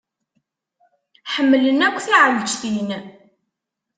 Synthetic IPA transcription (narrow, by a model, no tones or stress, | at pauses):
ħəmːlənækʷːθiʕəlt͡ʃθin